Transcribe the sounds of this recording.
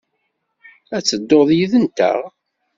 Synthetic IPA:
æt͡sːəd̪ːoðˤjiðənt̪ə̰ʁ

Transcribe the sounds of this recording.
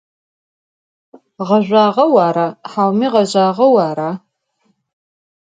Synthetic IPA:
ʁɐʑʷaːʁɐwaːɾaħaːwmiːʁɐʑaːʁɐwaːɾa

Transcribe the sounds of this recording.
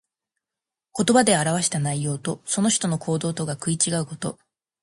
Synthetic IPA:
ko̞t̪o̞bad̪e̞aɾaβ̞aɕi̥t̪anaijo̞ːt̪o̞so̞no̞çi̥t̪o̞no̞kʰo̞ːd̪o̞ːt̪o̞ɡakɯ̟it͡ɕiɡaɯ̟ko̞t̪o̞̰

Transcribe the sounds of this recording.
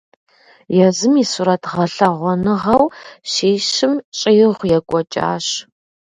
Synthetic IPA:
jɛzɨmisuɾɐtʰʁɐɬɐʁʷɔnɨʁɐwʃiːʃɪmt͡ʃʼɪjɪʁʷjɛkʷʼɔt͡ʃʼa̰ːɕ

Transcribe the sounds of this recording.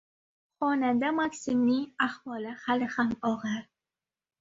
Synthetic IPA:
χɒnad̪amaksɪmnɪŋahwɒlɪhalɪhamɒʁaɾ

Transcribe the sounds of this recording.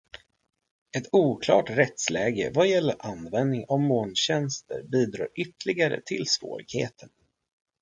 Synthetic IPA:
ɛt̪ʰuːkʰlɑːʈɾɛt̪slɛːɡə̰vajɛlːəɾʔanvɛnd̪nɪŋavmoːnɕɛnst̪əɾbiːd̪ɾɑ̰ːɾʔʏt̪lɪɡaɾə̰t̪ʰɪlsvo̰ːɾɪɡ̥hḛːt̪ʰən

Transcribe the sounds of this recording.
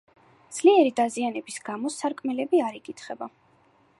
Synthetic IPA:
d̪z̥liɛɾid̪azianɛbisɡ̥amɔsaɾkʼmɛlɛbiaɾikʼit̪ʰχɛba

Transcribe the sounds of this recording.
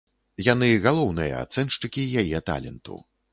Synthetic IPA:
jan̪ɨɣalˠɔwnɨjɐ̰a̰t̪sɛnʂt͡ʂɨkʲijajɛt̪a̰lʲɛ̰nt̪ṵ

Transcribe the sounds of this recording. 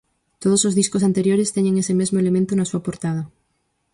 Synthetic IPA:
t̪oð̞osozðiskosant̪eɾjoɾest̪eɲẽŋesemezmoelemẽnt̪onasuapoɾt̪að̞ɐ

